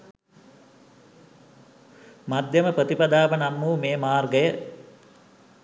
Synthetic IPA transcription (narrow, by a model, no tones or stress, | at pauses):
mad̪ʱjɐməpɾət̪ipad̪aːʋənamːuːmeːmaːrɡəjə